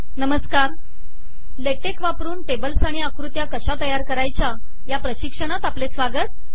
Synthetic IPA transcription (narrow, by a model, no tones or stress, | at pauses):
nəməskaɾ | leʈekʋapɾuːɳʈebəlsaɽ̃iakɾut̪jakəɕat̪əjaɾkəɾajt͡ɕa | japɾəɕikʂəɽ̃at̪aplesʋaɡət̪̚